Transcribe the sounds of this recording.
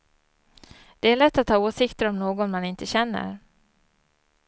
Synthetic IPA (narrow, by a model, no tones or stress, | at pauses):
d̪̥ɛæɭɛt̪ːat̪ʰhɑːoːsɪkt̪əɾɔmnoːɡɔnmanɪnt̪əɕɛnːə̰ɾ